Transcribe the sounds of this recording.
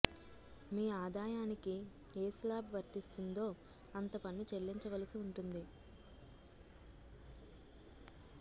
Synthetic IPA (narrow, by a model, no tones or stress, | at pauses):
miːaːd̪aːjaːniki | eːslaːbʋɐɾt̪ist̪und̪o̞ː | ɐnt̪ɐpɐnːit͡ʃelːiɲt͡ʃɐʋɐlɐsiuɳʈund̪i